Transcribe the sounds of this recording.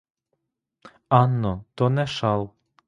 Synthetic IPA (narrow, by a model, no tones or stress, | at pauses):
ɑnːɔt̪ɔnɛʃɑlˠ